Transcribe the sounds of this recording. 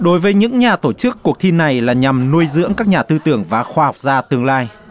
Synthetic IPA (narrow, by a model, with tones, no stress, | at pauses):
ɗo˨˦jvəː˨˦jɲɨ̰˧˥ŋɲaː˨˩t̪o˧˩t͡ɕɨ˦˥kːu˨˩ək̚t̪ʰi˧nːa˨˩jlaː˨˩ɲa˨˩mnu˧əjzɨ̰˧˥əŋkaː˦˥k̚ɲaː˨˩t̪ɨ˧t̪ɨ˧˩əŋvaː˨˩xwaː˧ha˨˩wk͡p̚zaː˧t̪ɨ˧əŋlaː˧j